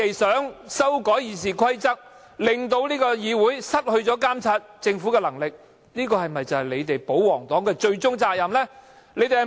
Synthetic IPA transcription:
e˨jsœː˨˥ŋsɐ˥wkɔː˨˥jiː˨s̬iː˨˩kʰɐ˥jt͡sɐ˥k̚ | lɪ˨ŋt̪o˧wliː˥kɔː˧jiː˨˧wuː˨˥jsɐ˥t̚hɵ˧ɥt͡sɔː˨˥kaː˥mt͡sʰaː˧t̚t͡sɪ˧ŋfuː˨˥kɛː˧lɐ˨˩ŋlɪ˨k̚ | niː˥kɔː˧hɐ˨jmɐ˨jt͡sɐ˨hɐ˨jle˨˧jt̪e˨jpo˨˥wwɔː˨˩ŋt̪ɔː˨˥ŋkɛː˧t͡ʃɵ˧ɥt͡sʊ˥ŋt͡saː˧k̚jɐ˨mlɛː˥ | le˨˧˥jt̪e˨˩hɐ˨˩

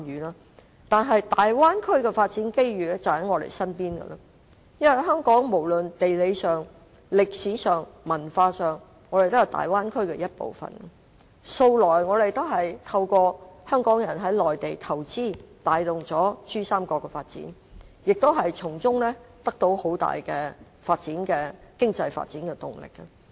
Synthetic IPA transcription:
jyː˨˦naː˥ | t̪aː˨nɦɐ˨jt̪aː˨jwaː˥nkʰɵ˥ɥkɛ˧faː˧t̚t͡siː˨˥nke˥jɥyː˨˩lɛː˥t͡sɐ˨˩hɐ˨˥jŋɔː˨˧t̪ḛ˨˩jsɐ˥npiː˥nɡɐ̰˧lɐ̰˧ | jɐ˥nwɐ˨˩jɦœː˥ŋkɔː˨˥ŋmo˨˩wlɵ˨nt̪e˨jle˨˧jsœː˨˩ŋ | lɪ˨k̚siː˨˥sœː˨ŋmɐ˨˩nfaː˧sœː˨ŋ | ŋɔː˨˧ɾe˨jt̪ʊ˥jɐ˨˩t̪a̰ː˨jwaː˥nkʰɵ˥ɥkɛ˧jɐ˥t̚po̰˨wfɐ̰˨˩n˨ | so˧wlɔː˨˩jŋɔː˨˧ɾe˨˩jt̪o˥ɦɐ˨jt̪ʰɐ˧wkɔː˧hœː˥ŋkɔː˨˥ŋjɐ˨˩nɦɐ˨˥jlɔː˨jt̪e˨jt̪ʰɐ˨˩wt͡siː˥t̪aː˨˧jlʊ˨ŋt͡sɔː˨˥syː˥saː˥mkɔː˧kːɛ˧faː˧t̚t͡sḭː˨˥n | jɪ˨k̚t̪o˥wɦɐ˨jt͡sʰʊ˨˩ŋt͡sʊ˥ŋlɛː˥t̪ɐ˥k̚t̪o˨˥who˨˥wt̪a̰ː˨jkɛː˧ | faː˧t̚t͡siː˨˥nkɛː˧kɪ˥ŋt͡sɐ˧jfa̰ː˧t̚t͡siː˨˥nkɛ˧t̪ʊ̰˨˩ŋlɪ̰˨k̚ːɐ˧

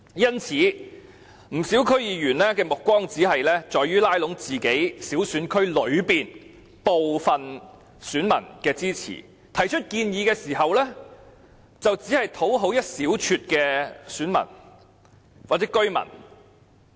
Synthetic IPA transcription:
jɐ˥nt͡sʰiː˨˥ | m̩˨˩siː˨˥wkʰɵ˥ɥjiː˨˧ɥyː˨˩nlɛː˥kɛː˧mʊ˨kːʷwɔː˥ŋt͡siː˨˥ɦɐ˨jlɛː˥t͡sɔː˨jyː˥laː˥jlʊ˨˥ŋt͡siː˨ke˨˥jsiː˨˥wsyː˨˥nkʰɵ˥ɥlɵ˨˧ɥpiː˨n | po˨wfɐ˨n | syː˨˥nmɐ̰˨˩nkɛː˧t͡siː˥t͡sʰḭ˨˩ | t̪ʰɐ˨˩jt͡ʃʰɵ˥t̚kiː˧njiː˨˧kɛː˧siː˨˩ɦɐ˨wlɛː˥ | t͡sɐ˨wt͡siː˨˥hɐ˨jt̪ʰo˨˥wɦo˨˥wjɐ˥t̚siː˨˥wt͡ʃʰyː˧t̚kɛː˧syː˨˥nmɐ̰˨˩n | waː˨t̚t͡sɛː˨˥kɵ˥ɥmɐ̰˨˩n

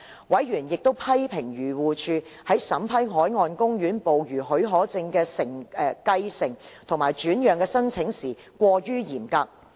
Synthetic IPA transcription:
wʔɐ˨˥jɥyː˨˩njɪ˨k̚t̪o˥wpʰɐ˥jpʰɪ˨˩ŋɥyː˨˩wuː˨t͡ʃʰyː˨˧ | hɐ˨˥jsɐ˨˥mpʰɐ˥jɦɔː˨˥jŋɔː˧nkʊ˥ŋɥyː˨˥npo˨wɥyː˨˩ɦɵ˨˥ɦɔː˨˥t͡sɪ˧ŋkɛː˧sɪ˨˩ŋ˧kɐ˧jsɪ˨˩ŋt̪ʰʊ˨˩ŋmaː˨˩jt͡ʃyː˨˥njœː˨˩ŋkɛː˧sɐ˥nt͡sʰɪ˨˥ŋsiː˨˩ | kʷɔː˧jyː˥jiː˨˩mkaː˧k̚

